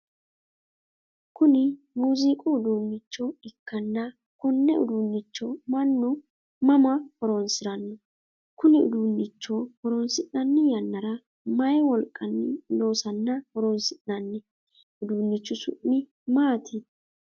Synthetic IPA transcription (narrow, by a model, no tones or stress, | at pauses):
kʊnɪ | muːzɪkʼʊːd̪uːnːɪt͡ʃːɔɪkːɐnːɐ | kɔnːɛʊ̰d̪unːɪt͡ʃːɔmɐnːʊ | mɐmɐhɔɾɔnsɪɾɐnːɔ | kʊnɪʊ̰d̪unːɪt͡ʃːɔhɔɾɔnsɪnːɐnːɪjɐnːɐɾɐ | mɐjɛwɔlkʼːɐnːɪlo̞ːsɐnːɐhɔɾɔnsɪnːɐnːɛ | ʊd̪uːnːɪt͡ʃːɔsʊ̰ʔːɪ | maːt̪ʰɪ